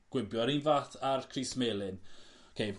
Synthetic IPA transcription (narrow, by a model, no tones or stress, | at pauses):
ɡ̥wɪbjɔɾinvaːθarkʰrismelˠɨn | kʰejv